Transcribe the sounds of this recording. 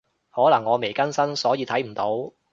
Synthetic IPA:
hɔː˨˥lɐ˨˩ŋːɔː˨˧me˨˩jkɐ˥nsɐ˥nsɔː˨˥jiː˨˧t̪ʰɐ˨˥jm̩˨˩t̪o˨˥w

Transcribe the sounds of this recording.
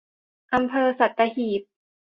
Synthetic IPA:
ʔa˧mpʰɤː˧sa˨˩t̪̚ːa˧hiː˨˩p̚

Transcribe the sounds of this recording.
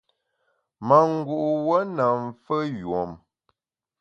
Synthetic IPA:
ma˨ŋ̩˦ɡu˦˨ʔwə˦na˨ɱ˨fə˦jo˨m

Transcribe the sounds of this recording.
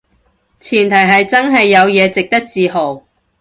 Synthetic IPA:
t͡sʰiː˨˩nt̪ʰɐ˨˩jɦɐ˨jt͡sɐ˥nɦɐ˨jːɐ˨˧wjɛː˨˧t͡sɪ˨k̚t̪ɐ˥k̚t͡siː˨ɦo˨˩w

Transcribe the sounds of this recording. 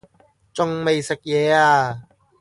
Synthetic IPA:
t͡sʊ˨ŋme˨˩jse˨˩k̚jɛː˨˧˦aː˧˩

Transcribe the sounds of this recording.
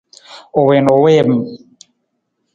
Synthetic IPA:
o˨we˨no˨we˦m˨

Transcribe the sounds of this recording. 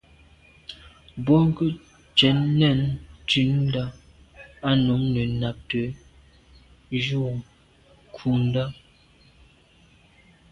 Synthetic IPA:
bɔ˦ŋ˦kə˦ | t͡ʃɛ˨˦nːɛ˦˨ntʉ˦n˦da˦ | a˦nu˨˦ŋnə˨na˨p̚tə˨˦ | d͡ʒu˦˨ | kʰu˨n˦da˦

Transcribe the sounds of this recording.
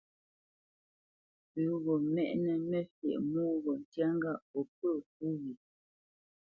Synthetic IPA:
pʉ˨˦ɣɔ˨mɛ˦ʔnɛ˨mɛ˦fjɛ̰˨ʔmuː˦ɣɔ˨n̩˨tja˦ŋ˦ɡa˦˨ʔɔ˨p̚ə˦˨k̚u˦ɣi˨

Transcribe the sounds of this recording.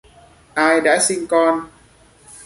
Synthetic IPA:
ʔaː˧jɗa̰ː˧˥si˧ŋkɔ˧n

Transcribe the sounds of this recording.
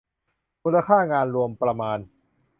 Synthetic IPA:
muː˧nla˧kʰaː˥˩ŋaː˧nɾu˧əmpɾa˧maː˧n

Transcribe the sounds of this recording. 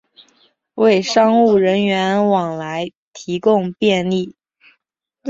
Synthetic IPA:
we˥˩ɪʂɑ˥ŋu˥˩ɻə˧˥nɥɛ˧˥nwɑ˨˩ŋla˧˥ɪ | t̪ʰi˧˥kʊ˥˧ŋpjɛ˥˧nli˥˩

